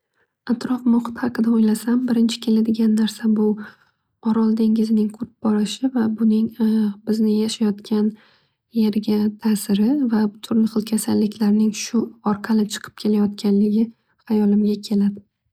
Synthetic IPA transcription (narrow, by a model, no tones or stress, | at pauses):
at̪ɾɒfmʊχɨ̥t̪hɑqɨd̪aojlasambɪɾɪnt͡ʃʰɪ̥kʲʰe̞lad̪ɪɡʲanːaɾsabʊ | ɒɾɒlˠd̪eŋʲɪzɪnɪŋqʰʊɾɪp̚bɒɾɪʃɪvabʊnɪŋbɪznɪjaʃajɒt̪kʲʰan | jeɾɡʲat̪ʰasɪɾɪvabʊt̪ʰʊɾnɪχɨlˠkʲʰasalːɪkʲʰlaɾnɪŋʃʊɒɾqʰɑlɪt͡ʃʰɨ̥qʰɨ̥p̚kʲʰe̞lajɒt̪̚kʲʰanlɪɡʲɪ | hajɒlɪmʲakʲʰe̞lad̪ɪ